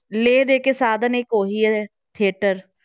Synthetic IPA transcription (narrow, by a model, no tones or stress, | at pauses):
leːd̪eːkeːsaːd̪ənɪkɦoːɦiːɛɛ | t̪ʰeːʈəɾ